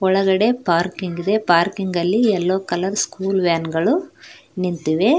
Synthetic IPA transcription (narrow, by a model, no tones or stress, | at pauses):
ɔɭɐɡɐɽe̞paːɾkiŋɡid̪epaːɾkiŋɡɐlːiɛlːoːkɐlɐɾskuːlʋaːnɡɐɭu | nint̪uʋe